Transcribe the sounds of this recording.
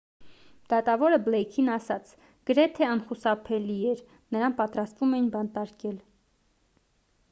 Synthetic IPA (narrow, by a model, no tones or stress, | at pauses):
d̪̥ɑt̪ɑvɔɾəblɛjkʰinɑsɑt͡sʰ | ɡ̥əɾɛt̪ʰɛɑnχusɑpʰɛliɛɾ | nəɾɑnkpɑt̪ɾɑst̪vumɛjinbɑnt̪ɑɾkɛl